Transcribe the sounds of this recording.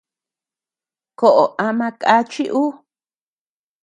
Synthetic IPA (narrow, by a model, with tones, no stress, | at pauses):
ko˨ʔo˨ʔa˧mã˧kʼa˦t͡ʃi˦ʔu˦